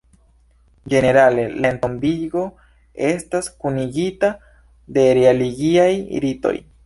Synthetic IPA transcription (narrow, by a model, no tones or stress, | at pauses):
d͡ʒe̞ne̞ɾale̞laentombiɡo̞ | e̞staskuniɡita | de̞ɾealiɡiajḭɾito̞̰j